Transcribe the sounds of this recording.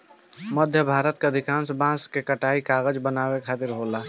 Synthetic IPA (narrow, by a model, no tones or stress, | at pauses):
məd̪ʱjəbʱaːɾət̪keəd̪ʱikãːnsbãskekəʈaːikaːɣəd͡ʒbənaːbekʰaːt̪ɪɾɦola